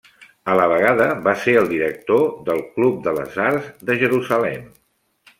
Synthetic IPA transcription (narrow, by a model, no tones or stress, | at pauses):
ələβ̞əɣ̞aðəβaseɾəlˠd̪iɾək̚t̪oðəlˠklup̚d̪ələ̰zarzðəʒəɾuzəlɛm